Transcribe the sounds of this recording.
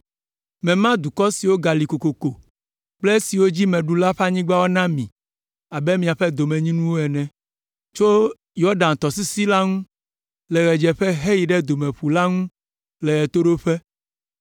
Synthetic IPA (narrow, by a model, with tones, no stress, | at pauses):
mɛ̃˨mã˦d̪u˨kɔ˦si˨wo˦ɡa˨li˨ko˨ko˨ko˨ | k͡ple˦si˨wo˦d͡ʑi˦mɛ̃˨ɖu˦la˦ɸa˦ɲĩ˦ɡ͡ba˦wo˦nã˦mĩ˨ | a˨bɛ˦mĩ˨a˨ɸɛ˦d̪o˨mɛ̃˨ɲĩ˦nũ˦wo˦ɛ˨nɛ̃˨ | t͡ʃo˦ | jɔ˦ɖã˨n˨t̪ɔ˨s̬i˦si˦la˦ŋũ˦ | lɛ˨ɣɛ˨d͡ʒɛ˨ɸɛ˦ɦe˦ji˨ɖɛ˦d̪o˨mɛ̃˨ɸu˨la˦ŋũ˦ | lɛ˨ɣɛ˨t̪o˦ɖo˦ɸɛ˦